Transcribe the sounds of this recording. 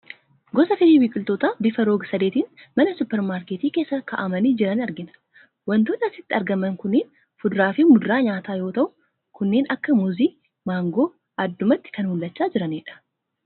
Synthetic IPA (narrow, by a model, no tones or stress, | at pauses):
ɡɔsɐfɪliːwiːkʼʊlt̪oːt̪aːbɪfɐɾoːɡsɐd̪eːt̪iːnmɐnɐsʊpːɛɾmaːɾkeːt̪iːke̞ːsːɐkɐʔɐmɐniːd͡ʒɪɾɐnɐɾɡɪnɐ̥ | wɐnt̪ʊːnɐsɪt̪ːɪɐɾɡɐmɐŋkʊnːeːn | fʊd̪ɾaːfɪmʊd̪ɾaːɲaːt̪aːjo̞ːt̪ɐʔʊ | kʊnːeːnɐkːɐmʊziː | maːŋɡo̞ː | ʔɐd̪ːʊmɐt̪ːɪ̥kɐnhʊlːɐt͡ʃːaːd͡ʒɪɾɐneːᶑɐ̥